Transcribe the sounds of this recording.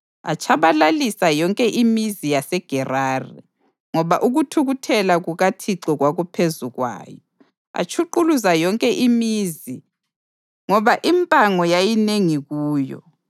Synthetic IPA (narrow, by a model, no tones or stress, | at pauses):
a̰t͡ʃʰaβalalisajɔŋkʼɛʔimizijasɛɡ̥ʱɛraːrḭ | ŋɔβaʔuɣutʰuɣutʰɛlaɣuɣatʰiǁɔɣwaɣupʰezuɣwa̰ːjɔ | a̰t͡ʃʰuǃuluzajɔŋkʼɛʔimiːzi | ŋɔβaʔimpʼaŋɔjajineŋiɣuːjɔ̰